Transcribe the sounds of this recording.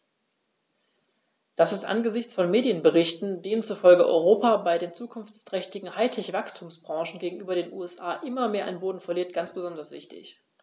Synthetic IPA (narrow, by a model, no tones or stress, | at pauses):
d̥asɪstʔa̰nɡəzɪçt͡sfɔnmeːdjənbəʁɪçtn̩deːnənt͡sufɔlɡəʔɔ̰ʏʁ̞oːpabaɪdeːnt͡suːkʰʊnft͡stʁ̥ɛçtɪɡŋ̩haɪtʰɛçv̥akstʰuːmsb̥ʁɑ̃ːʃn̩ɡeːɡŋ̩ʔyːbɐɾeːnʔṵːɛsʔaːʔɪmɐmeːɐʔa̰ɪnboːdn̩fɔɐliːɐt̚ɡ̥ant͡sb̥əzɔndɐsv̥ɪ̰çtɪ̰ç